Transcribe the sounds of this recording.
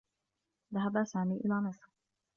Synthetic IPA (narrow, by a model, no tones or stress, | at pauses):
ðaɦabasaːmiːʔɪlaːmɑsˤɾ